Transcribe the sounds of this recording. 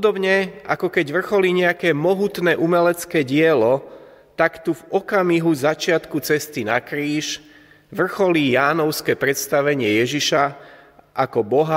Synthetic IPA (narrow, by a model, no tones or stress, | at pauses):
pɔd̪ɔbɲɛʔa̰kɔkɛɟʋr̩xɔliɲɛakɛːmɔɦut̪nɛːʔumɛlɛt͡skɛːɟɪɛlɔ | t̪akt̪uvɔkamiɦuzat͡ʃɪat̪kut͡sɛst̪inakɾiːʃ | ʋr̩xɔlijaːnɔʊskɛːpɾɛt̪st̪aʋɛɲɪɛjɛʒiʃa | ʔakɔbɔɦa